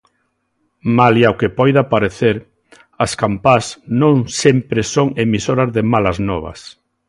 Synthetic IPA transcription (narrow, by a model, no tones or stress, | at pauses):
maljawkepɔjðapaɾeθeɾ | askampasnõŋsempɾesoŋemisoɾazðemalaznɔβɐ̰s